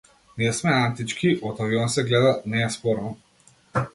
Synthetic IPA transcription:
nismɛant̪it͡ʃkʰiʔɔt̪aviɔnsɛɡlɛd̪anɛːspɔɾnɔ

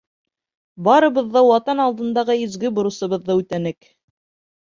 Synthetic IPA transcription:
bɑɾɤ̆βɤ̆ðːɑwɑt̪ɑnɑlˠd̪ɤ̆nd̪ɑʁɤɵ̆zɡɘbŏɾɤ̆sɤ̆βɤ̆ðːɤʉt̪ænɘk

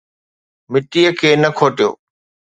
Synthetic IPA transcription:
mɪt̪ijəkʰeːnəkʰoːʈijo̰ː

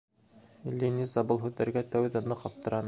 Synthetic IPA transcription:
lʲinʲizɑbɤlˠɦʉðːæɾɡæt̪æwɘðænɤqɑp̚t̪ɤ̆ɾɑn

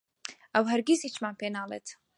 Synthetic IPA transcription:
ɐwɦɐɾɡʲizit͡ʃmaːpeːnaːlḛt̪

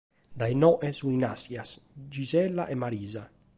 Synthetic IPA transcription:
d̪ajnɔʔezuinasjasd͡ʒizɛlːaʔemaɾiːza

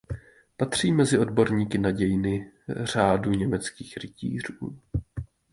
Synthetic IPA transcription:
pat̪r̝̥iːmɛzɪʔo̞dbo̞ɾɲiːkɪnaɟɛjɪnɪr̝aːduɲɛmɛt͡skiːxɾɪcḭːr̝uː

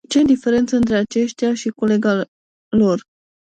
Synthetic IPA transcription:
t͡ʃe̞d̪ife̞ɾe̞nt̪səɨnt̪ɾe̞at͡ʃe̞ʃt̪jaʃiko̞le̞ɡa | lo̞r

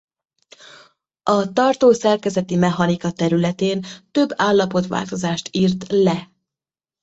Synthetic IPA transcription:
ɒt̪ɒrt̪oːsɛrkɛzɛt̪imɛɦɒnikɒt̪ɛɾylɛt̪eːnt̪ø̞bːaːlːɒpo̞t̪ʋa̰ːlt̪o̞zaːʃt̪iːrt̪lɛ

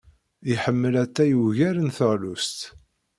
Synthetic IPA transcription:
iħəmːəlæt̪ːæjuʝæɾənθəʁlust̪

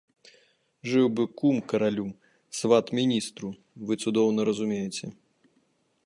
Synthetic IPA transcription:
ʐɨwbɨkumkɐɾalʲu | svat̪mʲinʲist̪ɾu | vɨt̪sud̪ɔwnɐɾɐzumʲejɛt͡sʲɛ

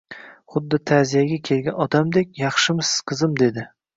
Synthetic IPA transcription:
χʊd̪ːɪt̪ʰazijaɡʲakʲʰe̞lɡʲanɒd̪amd̪ekʲjɑχʃɪmɪsɪ̥z̥qʰɨzɪmd̪e̞d̪ɪ

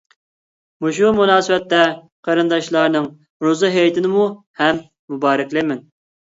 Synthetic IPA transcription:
muʃ̬umunɑːsɨwɛt̪ːɛ | qʰɑɾɨnd̪ɑʃlˠɑɾnɨŋ | ɾozɨɦejt̪ʰɪnɪmu | hɛmː | ubɑːɾɪkʲlɪmɪn

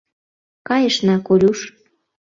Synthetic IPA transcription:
kɑjəʃnɑkolʲuʃ

